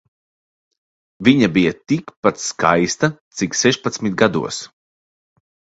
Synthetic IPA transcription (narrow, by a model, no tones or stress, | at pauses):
viɲabijɐt̪ikpat̪ska̰jst̪ɐt̪siksɛʃpat̪smit̪̚ɡad̪ṵɔs